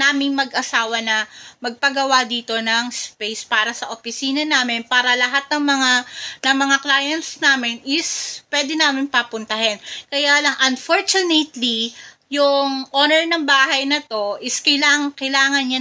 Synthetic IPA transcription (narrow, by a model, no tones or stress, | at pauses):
naːmɪŋmɐɡʔɐsaːwɐnɐmɐɡ̚pɐɡɐwad̪iːt̪o̞nɐŋspejspaːɾɐsɐʔopɪsiːnɐnaːmɪnpaːɾɐlɐɦat̪̚nɐŋmɐŋanɐŋmɐŋaklaːjɐnt̪snaːmɪnɪspwɛːd̪ɛnaːmɪnpɐpʊnt̪ɐɦɪnkɐjaːlɐŋʔɐnfoɹt͡ʃʊnɛt̪li | jʊŋʔoːnɛɹnɐŋbaːhɐjnɐt̪o̞ʔɪskɐjlaŋkɐjlaːŋɐnɲa